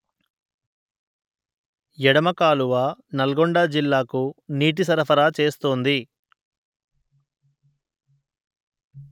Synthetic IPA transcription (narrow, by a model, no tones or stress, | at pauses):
jɛɽɐmɐkaːluʋanɐlɡɔɳɖaːd͡ʒilːaːkuniːʈ̬isɐɾɐpʰɐɾaːt͡ʃe̞ːst̪oːnd̪i